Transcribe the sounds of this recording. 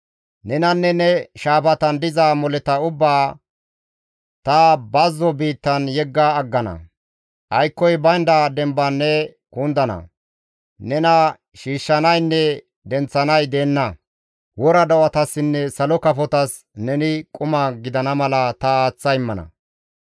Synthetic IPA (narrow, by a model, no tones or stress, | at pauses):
nɛnɐnːɛnɛʃaːpɐt̪ɐnd̪ɪzamɔlɛt̪ɐʊbːaː | t̪ɐbɐzːɔbiːt̪ːɐnjɛɡːɐːɡːɐnɐ̰ | ʔɐjkːɔjbɐjnd̪ad̪ɛmbanːɛ | kuːnd̪ɐnɐ̰ | nɛnɐ | ʃiːʃːɐnɐjnːɛ | d̪ɛnt͡sːɐnɐjd̪eːnːɐ | wɔɾɐd̪ɐwɐt̪ɐsːɪnːɛsɐlɔkɐfɔt̪ɐs | nɛnɪkʼʊmɐɡɪd̪ɐnɐmɐlɐt̪ɐːt͡sːɐjɪmːɐnɐ̰